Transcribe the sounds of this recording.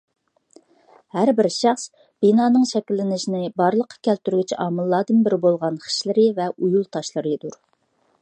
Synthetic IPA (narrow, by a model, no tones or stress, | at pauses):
hæɾbɪɾʃɑχs | b̥inɑːnɨŋʃɛkʲilːɪnɪʃinɪbɑɾlˠəqʰːɑ̥kʲʰɛlt̪yɾɡʲɪt͡ʃʰʔɑːmɨlˠːɑːd̪ɨnbɪɾbolˠʁɑnχə̥ʃlɪɾɪvɛʔujulˠt̪ʰɑʃlˠɨɾɨd̪uɾ